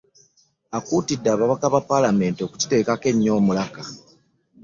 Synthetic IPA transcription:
akuːtidːaːβaβakaβapalame̞ntio̞ku̥ci̥te̞ːkake̞ɲːo̞ːmulaka

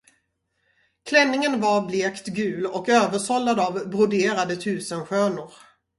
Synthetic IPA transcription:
kʰlɛnːɪŋənvaɾbleːkt̪ɡʉ̟ːlɔkøːvəʂɔlːad̪avbɾʊd̪eːɾad̪ət̪ʰʉ̟ːsənɧøːnʊɾ

